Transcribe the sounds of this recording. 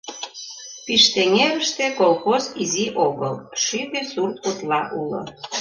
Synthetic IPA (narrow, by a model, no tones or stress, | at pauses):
piʃt̪eŋeɾəʃt̪ekolxoziziʔoɣəlʃypesurt̪̚kut̪lɑʔulo̰